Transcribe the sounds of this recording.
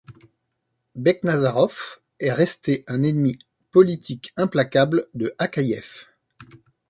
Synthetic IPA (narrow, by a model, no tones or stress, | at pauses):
bɛknazaʁɔf | ɛʁɛst̪eʔɛ̃nɛnmi | pɔlit̪ʰikɛ̃plakabld̪əʔakajɛf